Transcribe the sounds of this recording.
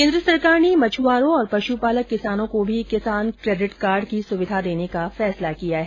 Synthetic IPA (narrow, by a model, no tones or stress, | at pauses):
kẽnd̪ɾəsɐɾkaːɾnimɐt͡ʃʰʋaːɾõɔːɾpɐʃupaːləkːɪsaːnõkobʱikɪsaːnkɾeːɖɪʈkaːɾɖkisʊʋɪd̪ʱad̪eːnekafɛːslakijaɦɛ